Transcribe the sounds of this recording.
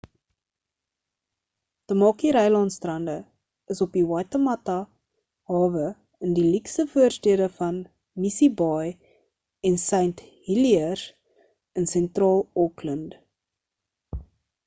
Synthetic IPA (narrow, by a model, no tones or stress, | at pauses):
təmɑːkiɾɛjlɑntstrɐndə | əsopiwɑːtəmɐtɐ | hɑːvə | əndiliksəfuərstiədəfɐn | misibɑj | ɛnsəɥnthiliər | ənsɛntrɑːlˠɔklənd